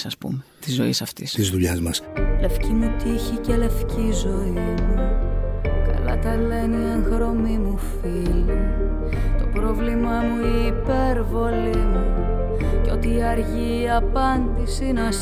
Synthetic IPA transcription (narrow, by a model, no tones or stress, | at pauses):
sɐspṵmet̪izo̞̰ḭsɐft̪ist̪izðuʎɐzmɐsle̞fcimut̪içice̞le̞fcizo̞imu | kɐ̰lɐ̰t̪ɐle̞nieŋɣɾo̞mimuf | ili | t̪o̞pɾo̞vlimɐmuiːpe̞ɾvo̞limu | ceo̞t̪iːɐɾʝiːɐpɐnd̪isinɐs